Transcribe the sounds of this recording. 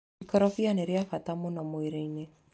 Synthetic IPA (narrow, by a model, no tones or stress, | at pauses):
ikɔɾɔfianeɾeafatamonɔmweɾeine